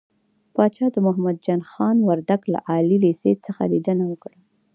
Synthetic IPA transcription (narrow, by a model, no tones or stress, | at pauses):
pɑt͡ʃɑd̪əmʊɦmad̪̚d͡ʒɑnxɑnwaɾd̪aɡla̰ʔɑlilesḛt͡səxa̰lid̪ənawəkɽə